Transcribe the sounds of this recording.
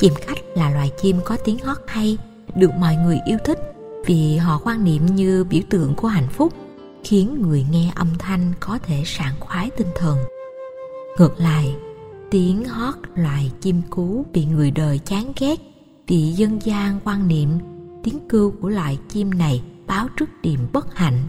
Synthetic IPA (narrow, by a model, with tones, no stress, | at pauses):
t͡ɕi˧˩mxa˦˥jk̟̚laː˨˩lwaː˨˩jt͡ɕi˧mkɔ˨˦t̪i˨˦əŋhɔ˦˥t̚ha˧j | ɗɨ˨˩ək̚mɔ̰˧˨jŋɨ˨˩əjʔi˧əwt̪ʰï˦˥k̚ | vi˨˩ɦɔ̰˧˨kwaː˧nnḭ˧˨əmɲɨ˧ɓḭ˧˩wt̪ɨ̰˧˨əŋku˧˩əɦa̰˧˨jŋ̟fʊ˦˥k͡p̚ | xi˨˦ənŋɨ˨˩əjŋɛ˧ʔə˧wŋ͡mt̪ʰa˧jŋ̟kɔ˨˦t̪ʰe˧˩saː˧˩nxwaː˨˦jt̪ï˧ŋ̟t̪ʰə˨˩n | ŋɨ˨˩k̚la̰ː˧˨j | t̪i˨˦ənhɔ˦˥t̚lwa̰ː˧˨jt͡ɕi˧mku˨˦vḭ˨ŋɨ˨˩əjɗəː˨˩jt͡ɕaː˨˦ŋɣɛ˦˥k̚ | vi˨˩zə˧nzaː˧ŋkwaː˧nnḭ˧˨əmt̪i˨˦əŋkɨ˧wku˧˩əlwa̰ː˧˨jt͡ɕi˧mna˨˩jɓaː˨˦wt͡ɕɨ˦˥k̚ɗḭ˧˩əmɓə˦˥t̚ha̰˧˨jŋ̟